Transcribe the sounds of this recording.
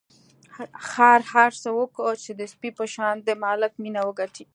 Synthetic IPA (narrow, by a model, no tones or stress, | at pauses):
xɑɾhaɾsəwəkət͡ʃed̪əspipəʃɑnd̪əmɑlɪkminawəɡaʈʰi